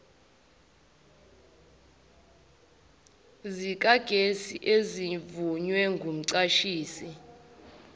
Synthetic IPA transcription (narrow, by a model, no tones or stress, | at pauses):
zik̬ʼaɡ̥ʱesiʔezivuɲwɛŋɡʱum̩ǀaʃiːsi